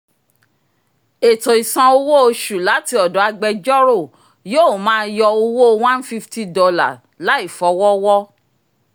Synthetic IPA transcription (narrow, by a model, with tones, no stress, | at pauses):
e˨tõ˨i˨sã˧o˧wo˦o˧ʃu˨la˨˦ti˧˦ɔ˨dɔ˨˦a˧ɡ͡bɛ˧d͡ʒɔ˦ɾo˦˨ | joː˦˨mãː˨˦n̩˦jɔ˧o˧wo˦˧w̃ã˦n̩˦fi˦fti˦dɔ˧la̰˨ | la˨˦i˦˨fɔ˨˦wɔ˦wɔ˦